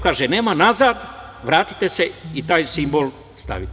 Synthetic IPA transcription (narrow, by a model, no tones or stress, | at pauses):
kaːʒeneːmanazaːd̪ | ʋɾaːt̪i̥t̪ese̞it̪aːjsimbo̞l | st̪a̰ʋit̪